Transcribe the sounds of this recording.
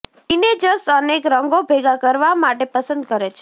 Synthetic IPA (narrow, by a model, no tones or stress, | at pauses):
ined͡ʒəɾsənekɾəŋɡobʱeɡakəɾʋamaʈepəsə̃nd̪̚kəɾet͡ʃʰ